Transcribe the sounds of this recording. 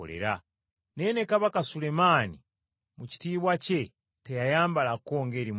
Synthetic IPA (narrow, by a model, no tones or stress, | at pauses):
le̞̰ɾa | ne̞ːnekaβakasule̞maːni | muci̥tiːβwace | tejajaːmbalako̞ːŋɡe̞ːɾim